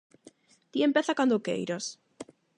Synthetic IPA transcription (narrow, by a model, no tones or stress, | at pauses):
t̪iempeθakand̪okḛjɾas